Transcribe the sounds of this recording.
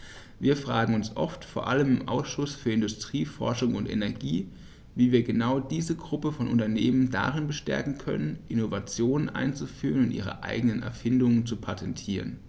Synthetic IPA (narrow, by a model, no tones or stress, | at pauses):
viːɐfʁ̥aːɡŋ̩ʊnsʔɔ̰ftfoːɐʔaləmɪmʔa̰ʊsʃʊsfyːɐɪndʊstʁ̥iːfɔɐʃʊŋʊntʔɛ̰nɛɐɡiː | viːviːɐɡənaʊdiːzəɡʁʊpəfɔnʔʊ̰ntɐneːmənda̰ʁɪnbəʃtɛ̰ɐkŋ̩kʰœ̰nənʔɪnovat͡sjoːnənʔa̰ɪnt͡sufyːʁ̞ənʊntʔḭːʁ̞ə̰ʔa̰ɪɡənənɛ̰ɐfɪndʊŋənt͡supʰatʰɛntʰiːʁən